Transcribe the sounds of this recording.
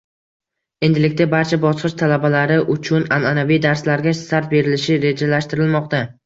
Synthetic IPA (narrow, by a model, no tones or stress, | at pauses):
e̞nd̪ɪlɪkʲt̪abaɾt͡ʃʰabɒsqɨʃt̪ʰalabalaɾɪʔʊt͡ʃʰʊnananavijd̪aɾslaɾɡʲasaɾt̪̚be̞ɾɪlɪʃɪɾe̞d͡ʒalaʃt̪ɪɾɪlmɒq̚t̪a